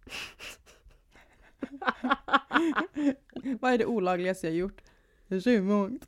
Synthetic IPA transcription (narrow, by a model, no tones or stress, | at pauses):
ʋɑːæɖɛʔuːlɑːɡlɪəst̪əjæhɑɾjʊʈː | ʃʉmʊŋ